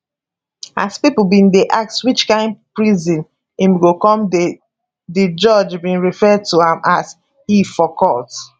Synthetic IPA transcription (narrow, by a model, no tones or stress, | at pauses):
a̰spiplbĩndeʔak̚tswit͡ʃkãɪ̃ndpɹizĩn | ĩmɡokɔ̃m | did͡ʒɔd͡ʒbĩnɹifɛd̚tuãmʔas | hifɔkʰɔt